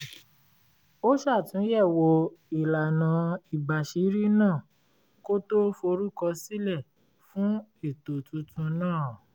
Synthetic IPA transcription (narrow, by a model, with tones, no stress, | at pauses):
o˦ʃa˦˨tũ˨˦jɛ˦˨wo˧i˨la˨nã˨˧i˨ba˨ʃi˨˦ɾi˦nãː˦˨ | ko˦to˦fo˧ɾu˦kɔ˧si˦lɛ˦˨ | fũ˦e˦˨to˨tũ˧tũ˧nãː˦˨